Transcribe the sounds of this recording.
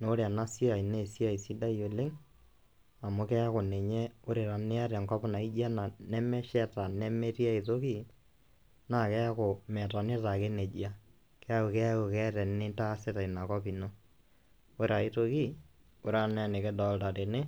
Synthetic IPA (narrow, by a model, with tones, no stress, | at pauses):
no˦ɾea˨na˦si˦a˨i˨ne˨si˦a˨i˨si˦da˦jo˨le˦ŋ | a˨mʊ˦kɛ˦a˦ko˨nɛ˨ɲɛ˦o˦ɾe˨ɾa˨nɪ˦a˦ɾɛ˨ŋkɔ˦pna˨i˦d͡ʒa˦na˨nɛ˦mɛ˦ʃɛ˦ta˨nɛ˦me˦ti˦a˦i˨to˦ki˦ | na˦˨kɛ˦a˦ko˨mɛ˨ta˨nɪ˦ta˨ke˦ne˨d͡ʒia˦ | kɛ˦a˦ku˨kɛ˦a˦ko˨kɛ˦ɾɛ˨nɪ˦ta˦sɪ˦ta˨i˨na˨kɔ˦pi˨no˦ | o˦ɾa˨i˦to˦ki˦ | o˨ɾa˨nɛ˦˨ne˨kɛ˦dɔ˦lta˨ɾe˨nɪ˦